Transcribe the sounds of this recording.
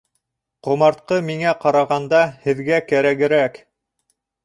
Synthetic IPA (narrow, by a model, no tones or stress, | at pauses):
qŏmɑɾt̪̚qɤmiŋæqɑɾɑʁɑnd̪ɑhɘ̆ðɡækæɾæɡɘ̆ɾæk